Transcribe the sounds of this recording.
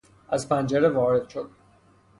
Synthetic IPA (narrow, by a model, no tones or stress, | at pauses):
æzpʰænd͡ʒeɾeʋɒːɾed̪ʃod̪̚